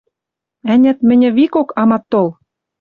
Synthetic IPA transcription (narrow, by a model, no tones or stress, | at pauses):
ænʲæ̆t̪mɘ̆nʲɘ̆βikokɑmɑt̪ːol